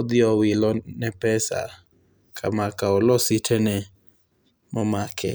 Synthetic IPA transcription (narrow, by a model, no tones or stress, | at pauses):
ɔd̪ɪɔwɪlɔnɛpɛsa̰ | kʰa̰makaɔlɔsɪtʰɛnɛ | mɔmakʰɛ̰